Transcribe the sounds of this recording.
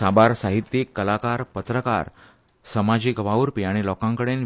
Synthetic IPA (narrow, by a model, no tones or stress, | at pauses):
abaɾsaɦit̪jikːəlakaɾpət̪ɾəka̰ɾ | səmad͡ʑiːkʋawɾpiaɽ̃ilɔkãŋkəɽen